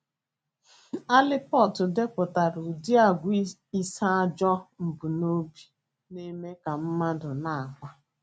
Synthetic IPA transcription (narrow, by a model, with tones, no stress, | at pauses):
a˦lɪ˦pɔ˦˨tʊ˨de˦kʷʊ˨ta˨ɾu˨di˦a˦˨ɡʷi˦i˦sa˦a˦d͡ʒɔ˦m̩˨bu˨no˦bi˦ | ne˦me˦ka˨m̩˦ma˦dʊ˨na˦˨a˨ŋʷa˦